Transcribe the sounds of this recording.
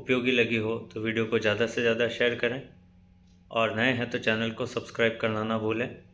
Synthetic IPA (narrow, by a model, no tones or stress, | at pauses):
ʊpjoːɡilɐɡiɦot̪oʋiːɖijokozjaːd̪asezjaːd̪aʃeːɾkɐɾẽː | ɔːɾnɐɦẽɦɛ̃t̪ot͡ʃɛːnəlkosɐbskɾaːɪb̚kɐɾnanabʱuːlẽː